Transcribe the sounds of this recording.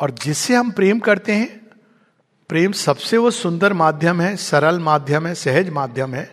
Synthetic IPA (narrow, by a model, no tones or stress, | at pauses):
ɔːɾd͡ʒɪsːeɦɐmpɾeːmkɐɾt̪eɦɛ̃ | pɾeːmsɐbseʋosʊ̃nd̪əɾmaːd̪ʱjəmɦɛsɐɾəlmaːd̪ʱjəmɦɛsɛɦəd͡ʒmaːd̪ʱjəmɦɛː